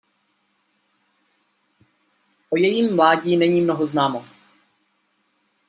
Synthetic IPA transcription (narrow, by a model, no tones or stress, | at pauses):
ʔojɛjimːlaːɟiːnɛɲiːmnoɦoznaːmo